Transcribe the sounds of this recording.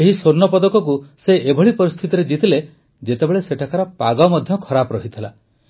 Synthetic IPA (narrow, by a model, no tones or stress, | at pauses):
eɦisoɾnɔpɔd̪ɔkɔkuseebʱɔɭipɔɾist̪ʰit̪iɾed͡ʒit̪ʰile | d͡ʒet̪ebeɭeseʈʰakaɾɔpaɡɔmɔd̪ʱjɔkʰɔɾapɔɾɔɦit̪ʰila